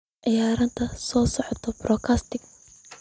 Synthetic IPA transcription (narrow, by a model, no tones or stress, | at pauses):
ʕɪjaːɾɐnt̪ʰɐsɔːsɔʕɔt̪ʰɔbrɔːkʰaːst̪ʰɪɡ